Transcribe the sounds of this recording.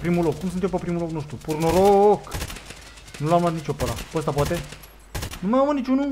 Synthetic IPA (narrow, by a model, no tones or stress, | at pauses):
pɾimulokːums̬ɨnt̪empəpɾimuloknost̪ɾupuɾnoɾok | nulamlat̪nit͡ʃʲopəla̰pəst̪apoat̪e | numaamənit͡ʃʲunu